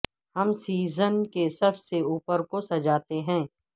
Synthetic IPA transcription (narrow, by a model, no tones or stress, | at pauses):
hɐmsiːzənkesɐbseuːpəɾkosɐd͡ʒaːt̪eɦɛ̃ː